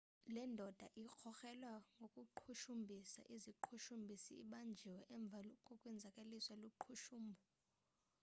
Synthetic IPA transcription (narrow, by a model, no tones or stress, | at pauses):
lɛndʱɔd̥ʱaʔik͡xʰɔxɛlwaŋɡʱokʼuǃʰuʃumbʱisa̰ʔiziǃʰuʃumbʱisḭːɓand͡ʒʱiwɛʔɛɱb̪vʱalɔkʼukʼwɛnd͡zʱakʼeliswaluǃʰuʃuːmbʱɔ